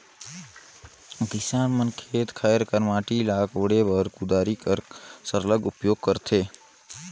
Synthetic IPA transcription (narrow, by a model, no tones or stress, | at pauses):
kɪsaːnmənkʰeːt̪kʰajəɾkəɾmaːʈilaːkoɽebəɾkud̪aːɾikəɾsəɾləɡʊpjoːɡ̚kəɾt̪ʰeː